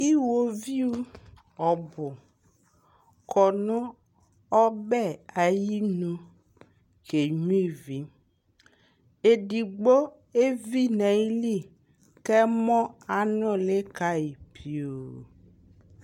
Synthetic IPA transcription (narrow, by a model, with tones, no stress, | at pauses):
i˦wo˨vi˦wu˦ | ɔ˨bʊ˨ | kʰɔ˨nʊ̃˦ | ɔ˦bɛ˦˨a˨ji˦nũ˦ | ke˨ɲũ˦i˦vi˨ | e˨di˨ɡ͡bo˦ | e˦vi˦nɛ˨i˦li˦˨ | kɛ˦mɔ̃˦a˨nɔ̃˦le˦ka˦i˨pʰi˨o˨